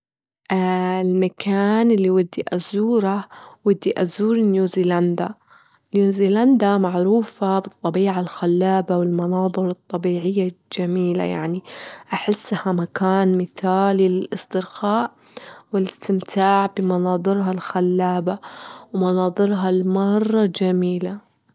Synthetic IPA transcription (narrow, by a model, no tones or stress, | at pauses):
ʔaɪlmakʰaːnʔɪlːiwɪd̪ːiʔazuːɾawɪd̪ːiʔazuːɾɪnjuːziːland̪a | njuːziːland̪amaʕɾuːfabɨt̪ˤːɑbiːʕalxalːaːbawɪlmɑnɑːðˤɨɾɨt̪ˤːɑbiːʕɪjːad͡ʒamiːla̰ja̰ʕniʔaħɪsːhamakaːnmɪθaːlɪllʔɪst̪ɪɾxaːʔ | wɪlɪst̪ɪmt̪ʰaːʕbɪmɑnɑːðˤɨɾɦalxalːaːbawmɑnɑːðˤɨɾɦalmɑrˤːɑd͡ʒamiːla